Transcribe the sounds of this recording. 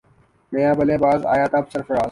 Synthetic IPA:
mejãːbɐleːbaːza̰ːjaːt̪ɐbsɐɾfɐɾaːz

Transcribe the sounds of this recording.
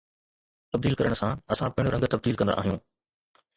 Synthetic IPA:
t̪ɐb̚d̪iːlkɐɾəɽ̃sãɐsãpɐɦɪ̃ɽ̃oɾɐ̃ŋɡt̪ɐb̚d̪iːlkɐ̃nd̪a̰ʔːɦijũː

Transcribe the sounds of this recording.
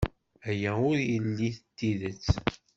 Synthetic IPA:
æjæʊɾjəlːiθət̪ːiðət͡sː

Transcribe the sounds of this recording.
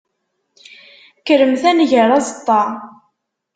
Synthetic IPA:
kəɾəmθænʝəɾˤɑzət̪ˤːɑ

